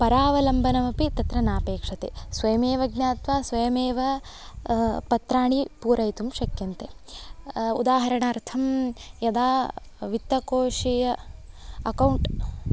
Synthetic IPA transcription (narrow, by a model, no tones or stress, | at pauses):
pɐɾaːʋɐlɐmbʱɐnɐmɐpit̪ɐt̪ɾɐnaːpeːkʂɐt̪esʋɐjɐmeːʋɐɡnjaːt̪ʋaːsʋɐjɐmeːʋɐ | pɐt̪ɾaːɳipuːɾɐjt̪umʃɐkjɐnt̪e | ṵd̪aːɦɐɾɐɳɐːɾt̪ʰɐmjɐd̪aː | ʋit̪ːɐkoːʂijɐ | ɐkɐwɳʈ